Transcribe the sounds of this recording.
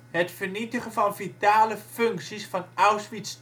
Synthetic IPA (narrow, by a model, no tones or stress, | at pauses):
ɦətfəɹnitəχəvɑnvitaːləfɵŋksisfɑnawsʋits